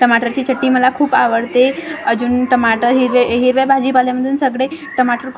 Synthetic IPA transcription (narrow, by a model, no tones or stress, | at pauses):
ʈəmaʈəɾt͡ɕiːt͡ɕʰəʈːiməlakʰuːpaʋəɽt̪eəd͡ʑuːnʈəmaʈəɾɦiɾʋeɦiɾʋebʱad͡ʑipaljaməd̪ʱuːnsəɡɽe | ʈəmaʈəɾkʰ